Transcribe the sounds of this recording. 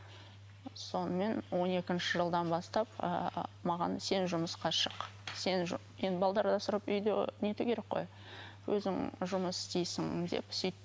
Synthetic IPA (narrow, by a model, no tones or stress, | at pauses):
so̞nəme̞nwo̞ne̞kʲɪnʃɪʒəlˠd̪ɑnbɑst̪ɑpə̰mɑʁɑ̰nse̞nʒʊməsqɑʃəq | se̞n | jend̪ɪbɑlˠd̪ɑɾd̪ɑsəɾəpʏjd̪ḛne̞t̪ukʲe̞ɾe̞k̚qo̞̰j | wɵzɪŋʒʊməsɪst̪ejsɪŋd̪e̞̰psʏjt̪ː